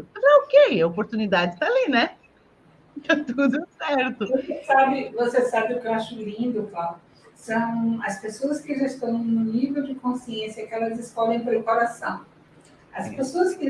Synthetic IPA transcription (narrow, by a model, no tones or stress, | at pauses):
mɐzɛʊkeɐopoɾt̪unid̪ad͡ʒɪt̪alinɛ̃ | t̪ɐ̃w̃t̪ud̪ʊsɛɾt̪ʊvosesabɪvosesabɪʊkɪewaʃʊlĩnd̪ʊk̪a | sɐ̃w̃ɐspesoɐskɪʒɐst̪ɐ̃w̃nʊ̃nivewd͡ʒɪkõsiẽsjɐkɪɛlɐzɪskɔlẽj̃pɾepaɾasɐ̃w̃ | ɐspesoɐskɪ